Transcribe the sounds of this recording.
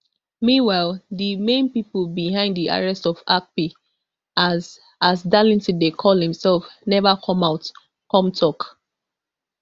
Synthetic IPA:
miwalðimẽnpipəlbiɦãɪ̃ndðiʔa̰ɹɛstɔfak̚pi | az | azdalĩntidekʰɔlˠdɛ̃msɛlˠfnɛvakʰɔ̃maʊt | kɔ̃mtʰɔk

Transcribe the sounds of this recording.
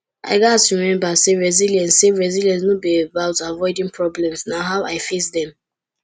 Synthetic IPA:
a̰ɪɡasɹiimɛ̃mbaseɹɛziljɛ̃nsseɹɛziljɛ̃ns̬nobiebaʊtavɔɪdĩŋpʰɹɔblɛ̃msnaɦaʊʔaɪfesdɛ̃m

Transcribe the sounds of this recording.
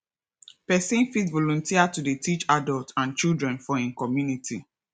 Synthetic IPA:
pɛsĩnfitvɔlɔ̃ntʰiatudetit͡ʃadɔltãnt͡ʃildɹɛ̃nfɔĩnkɔmjunitʰi

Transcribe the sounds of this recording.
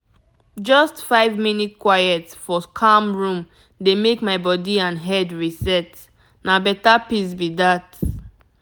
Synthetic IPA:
d͡ʒɔstfaɪvminit̚kwajɛtsfɔkʰãmɹũm | demekmaɪbɔdiãnɦɛdɹisɛt | nabɛtapis̬bidat

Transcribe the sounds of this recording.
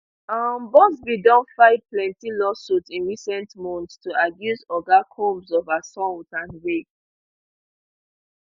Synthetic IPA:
ambɔsbidɔ̃nfaɪvplɛ̃ntilɔsutĩnɹisɛ̃ntmɔ̃ntstʰuabjuzɔɡakʰõmzɔvasɔ̃tãnɹek

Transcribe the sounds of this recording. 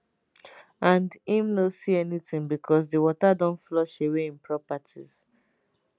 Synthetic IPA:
ãndĩmnosiɛnitĩŋbikʰɔs̬diwɔtadɔ̃ntflɔʃeweĩnpʰɹɔpatʰḭz̥

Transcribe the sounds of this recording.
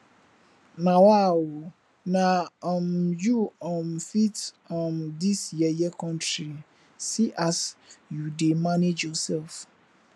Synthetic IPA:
nãwawo | nãɔ̃mjuɔ̃mfit | ɔ̃mdisjɛjɛkʰɔ̃ntʰɾi | siʔasjudemãned͡ʒɔsɛlf

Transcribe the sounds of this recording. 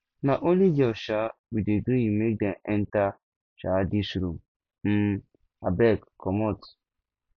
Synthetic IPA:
naʔoliɡeɔʃawideɡujimek̚dɛnɛnta | ʃadisɾum | m̩ | abɛkkʰːɔmɔt

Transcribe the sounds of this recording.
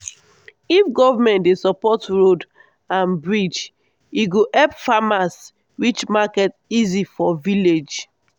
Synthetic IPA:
ifɡɔvamɛ̃ntdesɔpɔtɹod | ãnbɹid͡ʒ | iɡoʔɛpfamas | wit͡ʃmakɛt | izifɔviled͡ʒ

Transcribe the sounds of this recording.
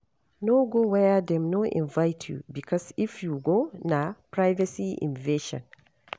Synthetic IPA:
noɡowɛjadɛ̃mnoʔḭ̃nvajtʰjṵbikʰɔsifjuɡonapɹajvasiʔḭ̃nveʃɔ̰̃n

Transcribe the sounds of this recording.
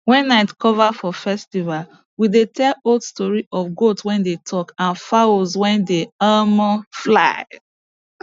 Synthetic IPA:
wɛ̃nːaɪtkɔvafɔfɛstival | widetʰɛloldstɔɹiʔɔfɡotwɛ̃ndetʰɔkãnfaozwɛ̃ndeamɔflaɪ

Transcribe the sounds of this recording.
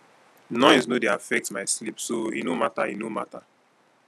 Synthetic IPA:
nɔɪznodeafɛk̚tmaɪslipsoḭnoma̰ta̰ḭnoma̰ta

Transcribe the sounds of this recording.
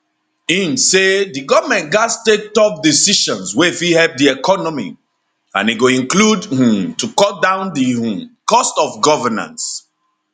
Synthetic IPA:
ĩnseðɨɡɔvəmɛ̃n̚ɡastek̚tɔp̚disiʃɔ̃nswefihɛp̚diekʰɔnɔmḭ | ã̰niɡoĩnkludhĩmtukɔdãʊ̃nðĩkɔstɔfɡɔvənã̰ns

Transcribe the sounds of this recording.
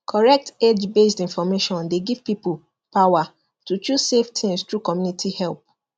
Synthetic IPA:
kʰɔɹɛk̚ted͡ʒbesdĩnfɔmeʃɔ̃ndeɡiv̥pipul | pawa | tut͡ʃusseftʰĩŋstɹukɔmjunitʰihɛlp̚

